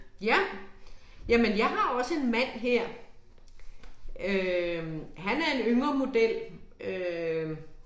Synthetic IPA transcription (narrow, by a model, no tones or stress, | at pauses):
jæ | jæmenjɑ̈ɪɦɑ̈ɒ̽səe̝nmæn̰ɦeɐ̰ | ø | ɦænæɐe̝nøŋɐmo̝d̥el̰ʔø